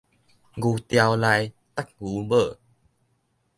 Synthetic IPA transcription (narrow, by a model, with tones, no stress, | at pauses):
ɡu˧t̪ja˧wla˧j | t̪a˦˥k̚ɣu˨˦bə˧˨